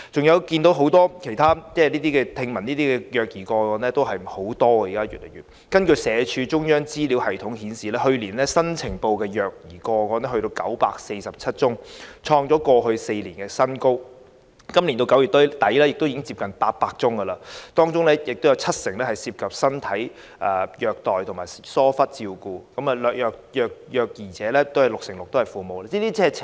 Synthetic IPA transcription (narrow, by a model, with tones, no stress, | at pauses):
t͡sʊ˨ŋjɐ˨˧wkiː˧nt̪o˨˥wɦo˨˥wt̪ɔː˥kʰe˨˩jt̪ʰaː˥t͡sɛː˥˩liː˥t̪iː˥kɛː˧t̪ʰɪ˧ŋmɐ˨˩nliː˥t̪iː˥kɛː˧jœː˨˩k̚jiː˨˩kɔː˧kɔː˨˥nɛː˥t̪o˥wɦɐ˨jho˨˥wt̪ɔː˥ɡɐ˨i˨kaː˥jɥy̰ː˨t̚le˨˩jɥyː˨t̚ | kɐ˥nkɵ˧ɥsɛː˨˧t͡ʃʰyː˧t͡ʃʊ˥ŋjœː˥ŋt͡siː˥liː˨˥whɐ˨˩jt̪ʰʊ˨˥ŋhiː˨˥nsiː˨lɛː˥hɵ˧ɥliː˨˩nlɛ˥sɐ˥nt͡sʰɪ˨˩ŋpo˧wkɛː˧jœː˨k̚jiː˨˩kɔː˧kɔː˨˥nɛ˥ɦɵ˧ɾo˧wkɐ̰˨˥wpa̰ː˧k̚se˧jsɐ˨p̚t͡sʰɐ˥t̚t͡sʊ˥ŋt͡ʃʰɔː˧ŋt͡sɔː˨˥kɔː˧ɦɵ˧ɥse˧jliː˨˩nkɛ˧sɐ˥nko˥w | kɐ˥mli˨˩nt̪o˧wkɐ˨˥wjy˨˩t̪ːo˥˩t̪ɐ˨˥jlɛ˥jɪ˨k̚t̪wi˨˧˥ɪ˥ŋt͡si˧p̚kɐ˨npaː˧t̚paː˧k̚t͡sʊ˥ŋɡɐ˧laː˧t̪ɔː˥ŋt͡sʊ˥ŋlɛː˥jɪ˨k̚t̪o˥jɐ˧wt͡sʰɐ˥t̚sɪ˨˩ŋlɛː˥hɐ˨˩jsiː˧p̚kʰɐ˨p̚sɐ˥nt̪ʰɐ˨˥j | ʔɐː˨˩jœː˨˧k̚t̪ɔː˨˩jt̪ʰʊ˨˩ŋmaː˨˩jsɔː˥fɐ˥t̚t͡siː˧wkuː˧kɐ˨˦˥mɐː˨lœː˨k̚jœː˧k̚jœː˨˧k̚jœː˨˧k̚jiː˨˩t͡sɛː˨˥lɛː˥t̪o˥whɐ˨jlʊ˨k̚sɪ˨˩ŋlʊ˨k̚t̪o˥whɐ˨˩jfuː˨mo˨wlaː˧˥t͡siː˥liː˥t͡sʰɛː˥˨